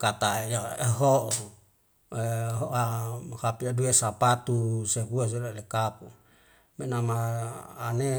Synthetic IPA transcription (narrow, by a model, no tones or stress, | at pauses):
kat̪ajaeɦoʔ | ɦoʔahapiaduesapat̪useɦuas̬elalekapu | menamaane